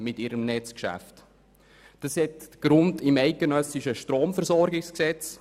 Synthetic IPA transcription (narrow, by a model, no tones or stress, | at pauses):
mɪtɪɾəmnɛt͡skʃæ̰ft | d̥ɑshɛtɡ̥ɾʊndɪmɛɪt̚ɡ̥enœsɪʃəʃtɾoːmfəɾsɔɾɡɪksksɛt͡s